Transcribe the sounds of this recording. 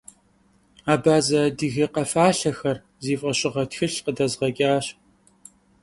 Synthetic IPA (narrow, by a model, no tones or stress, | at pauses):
aːbaːzɐdɨɣɐqɐfaːɬɐxɐr | ziːfʼɐɕʼɪʁɐtxɨɬqədɐzʁɐkʲʼaːɕ